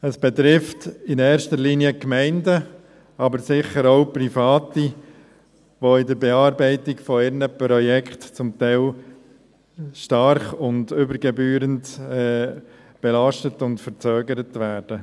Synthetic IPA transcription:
əsb̥ɛtɾɪftɪnɛːɾʃtəliniəkmɛɪndə | ɑbəɾsɪχəɾoʊpɾifɑːti | ʋoɪdəɾbɛɑːɾbɛɪtɪkfɔɪɾnəpɾɔjɛkʰχtt͡sʊmtɛɪl | ʃtɑɾχʊndʏbəɾɡɛbyːɾəntɛː | b̥ɛlɑʃtətʊntfəɾt͡søːɡəɾətʋæːɾd̥ə

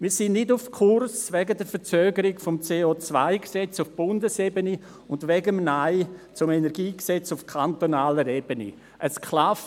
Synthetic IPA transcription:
miːsɪnːɪdʊfkʰʊrsvɛɡədɛɾfəɾt͡søːɡəɾɪɡfɔmt͡seːoːt͡sva̰ɪksɛt͡sʊfb̥ʊndəsebəni | ʊndʋɛɡəmnaɪt͡sʊmɛnɛɾɡiːksɛt͡sʊfkʰantonaːləɾeb̥ənḭ | ʔəskʰlaft

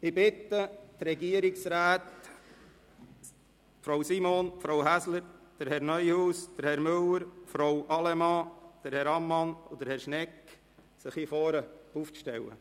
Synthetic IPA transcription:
ɪbɪt̪ːət̪ɾɛɡiəɾɪksɾæːt̪ | fɾowsimoːnfɾowɦæsləɾd̪̥əɾhɛɾnœjhuːsd̪̥əɾhɛɾmøləɾfɾɔwʔɑlɛmɑːd̥əɾhɛɾɑmːɑnʊd̥əɾhɛɾʃnɛk | sɪχhifɔːɾəufʃtɛwə̰

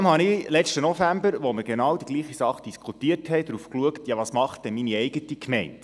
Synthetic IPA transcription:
mhɑnɪlɛt͡ʃtənɔfæmbəɾʋɔməɡ̥enɑːwdiɡ̥liːχisɑχd̥iskʰutiəthɛɪd̪ɾuːfkluəktjɑʋɑsmɑχtd̥ɛnminiɛɪɡətikʰmɛɪnt

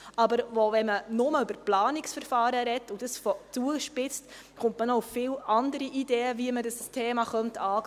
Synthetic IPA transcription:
ɑbəɾvovɛmənʊməøbəɾplɑːnɪksfəɾfɑːɾəɾɛtːʊd̥əsfot͡suəʃpɪt͡st | χʊntmənoufːɪːlɑndəɾiʔideːəviəmədəstʰeːmɑχœmtʰɑː

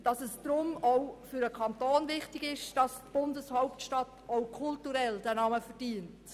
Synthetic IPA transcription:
d̥ɑsɛsd̥ɾʊmɔʊfyɾəkʰɑntoːnvɪχtɪɡɪʃd̥ɑstb̥ʊndəshɔʊp̚tʃtɑtoʊkʰʊltuɾɛldæːnɑməfɛɾd̥iːənt

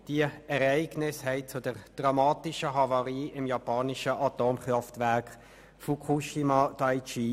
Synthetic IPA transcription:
d̥iəɛʁæɪɡnɪshɛɪt͡sʊd̥əʁd̥ʁɑmɑːtɪʃəɦɑvɑʁiːɪmjɑpɑːnɪʃəʔɑtoːmχʁɑftvæʁk | fukʰuʃimɑd̥ɑjt͡ʃiː

